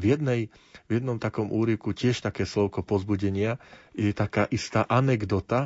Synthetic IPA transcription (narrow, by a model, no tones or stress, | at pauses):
vjɛd̪nɛj | vjɛd̪nɔmt̪akɔmʔuːɾikucɪɛʃt̪akɛːslɔʊkɔpɔzbuɟɛɲɪajɛt̪akaːʔist̪aːʔanɛɡd̪ɔt̪a